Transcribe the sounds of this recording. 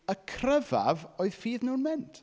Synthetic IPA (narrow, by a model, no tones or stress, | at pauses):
əkʰrəva̰voːɨð̥fiːðnəwnmɛnt